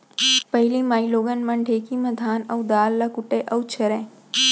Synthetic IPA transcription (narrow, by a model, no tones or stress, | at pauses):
pɐɦɪlimaːiloːɡənməɳɖʱeːkimɐd̪ʱaːnɐwd̪aːlːakʊʈeʔɐwt͡ʃʰɐɾẽː